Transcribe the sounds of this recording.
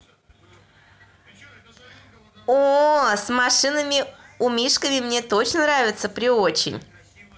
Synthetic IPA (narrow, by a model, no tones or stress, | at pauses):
osmɐʂɨnəmʲɪʊmʲiʂkəvʲɪmnʲet̪o̞t͡ɕnənɾavʲɪt̪səpɾʲɪot͡ɕɪ̰nʲ